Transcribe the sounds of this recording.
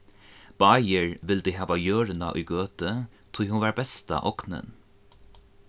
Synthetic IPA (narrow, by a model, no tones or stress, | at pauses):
b̥aːjəɹʋɪld̪iːɦaːʋajøːɹɪna̰ʔʊ̰jɡøːt̪ət̪ʰʊjhʊnvaːɹbɛst̪a̰ʔɔknə̰n